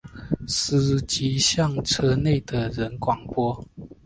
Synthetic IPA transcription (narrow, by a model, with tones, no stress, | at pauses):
s̩˨˩t͡ɕi˧˥ɕjɑ˥˨ŋʈ͡ʂʰɤ˥ne˥˩ɪd̪ə˨ɻə˨˦nkwɑ˨˩ŋpwɔ˥